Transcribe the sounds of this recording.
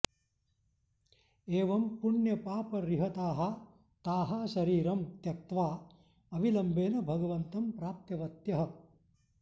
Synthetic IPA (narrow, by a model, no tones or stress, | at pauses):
eːʋɐmpuɳjɐpaːpɐɾiɦɐt̪aːɦɐ | t̪aːɦaːʃɐɾiːɾɐmt̪jɐk̚t̪ʋaː | ɐʋilɐmbeːnɐbʱɐɡɐʋɐnt̪ɐmpɾaːp̚t̪jɐʋɐt̪jɐɦɐ